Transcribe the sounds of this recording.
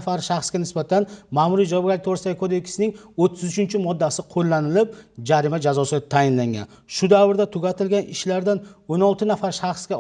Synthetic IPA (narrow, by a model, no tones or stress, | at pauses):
faɾʃaχsɡʲanɪsbat̪ʰanmamʊɾijd͡ʒawɒb̚ɡʲalɪk̚ʲt̪ʰoɾɪst̪aɡʲɪkʰod̪e̞kʲʰɪ̥sɪnɪŋot̪ʰːɪzʊt͡ʃʰɪnt͡ʃʰɪmɒd̪ːasɪqʰolˠːanɪlɪp̚d͡ʒaɾɪmad͡ʒazɒsɪt̪ʰajɪnlaŋʲa̰n | ʃʊd̪avɪɾd̪at̪ʰʊɡʲat̪ʰɪlɡʲanɪʃlaɾd̪anonɒlˠt̪ʰɪnafaɾʃaχsɡʲa